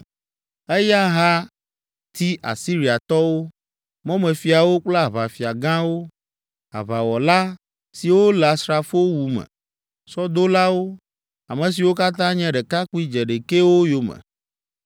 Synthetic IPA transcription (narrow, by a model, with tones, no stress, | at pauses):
e˦ja˦ɦa˦ | t̪i˦ʔa̰˨si˦ɾi˨a˨t̪ɔ˦wo˦ | mɔ̃˦mɛ̃˨fi˨a˨wo˦k͡plɛ˦a˨βa˨fi˨a˨ɡã˦wo˦ | a̰˨βa˨wɔ˨la˦ | si˨wo˦la˨sɾa˨fo˦wu˨mɛ̰̃˨ | sɔ˦d̪o˦la˦wo˦ | a˨mɛ̃˨s̬i˨wo˦ka˦t̪ã˦ɲɛ̃˦ɖɛ˨ka˦ku˦i˦d͡ʒɛ˨ɖe˨ke˦wo˦jo˨mɛ̰˨